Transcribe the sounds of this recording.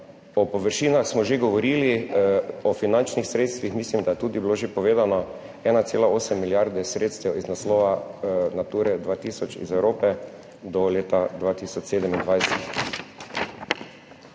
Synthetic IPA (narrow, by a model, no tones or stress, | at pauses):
ɔpɔʋəɾʃiːnaxsmɔʒeɡɔʋɔɾiːli | ɔfinant͡ʃnixsɾet̪st̪ʋixmislimd̪ajɛt̪uːd̪ibloʒepɔʋeːd̪anɔ | ɛːnat̪seːlaoːsɛmːiljaɾd̪ɛsɾeːt̪st̪ɛwiznaslɔːʋanat̪uːɾɛd̪ʋaːt̪iːsɔt͡ʃḭzɛwɾoːpɛ | d̪ɔleːt̪ad̪ʋaːt̪isɔt͡ʃseːd̪ɛmind̪ʋajsɛt̪